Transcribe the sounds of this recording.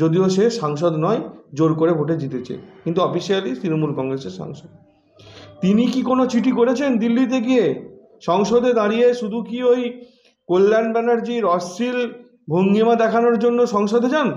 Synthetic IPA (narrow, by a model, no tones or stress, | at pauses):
d͡ʑod̪ioʃeʃaŋʃod̪nɔed͡ʑoɾkoɾebʱoʈed͡ʑit̪et͡ɕʰḛkint̪̬uɔfiʃialit̪ɾinomulkɔŋɾeseɾʃa̰ŋʃod̪ | t̪inikikonot͡ɕʰiʈikoɾet͡ɕʰend̪ilːit̪̬eɡie | ʃɔŋʃod̪ed̪aɾijeʃud̪ʱukioj | kolːanbɛnaɾd͡ʑiɾɔsil | bʱoŋɡimad̪ɛkʰanoɾd͡ʑonːoʃɔŋʃod̪ed͡ʑan